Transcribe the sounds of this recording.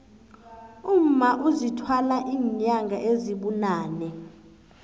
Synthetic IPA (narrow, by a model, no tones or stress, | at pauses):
um̩maʔuzitʰwalaʔiːɲaŋɡʱaʔeziɓunaːnɛ